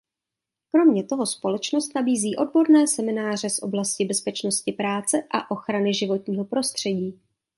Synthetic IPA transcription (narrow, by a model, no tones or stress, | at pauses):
kɾo̞mɲɛt̪o̞ɦo̞spo̞lɛt͡ʃno̞st̪nabiːziːʔo̞d̚bo̞ɾnɛːsɛmɪnaːr̝ɛsʔo̞̰blascɪbɛspɛt͡ʃno̞scɪpɾaːt͡sɛʔa̰ʔo̞xɾanɪʒɪvo̞t̪ɲiːɦo̞pɾo̞st̪r̝̥ɛɟiː